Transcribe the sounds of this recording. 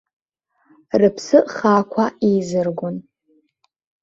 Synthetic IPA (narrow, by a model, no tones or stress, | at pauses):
rɨpʰsɨʔχakʷʰaizɨrɡʷʊn